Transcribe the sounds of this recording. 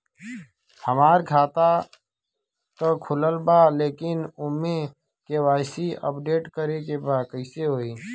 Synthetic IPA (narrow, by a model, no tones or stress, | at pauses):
həmaːɾɡʰʱaːt̪a | k̪əkʰʊləlbaleːkɪnʊme | kewaːɪsiə̰pɖeːʈkəɾekebaːkəɪseɦoːiː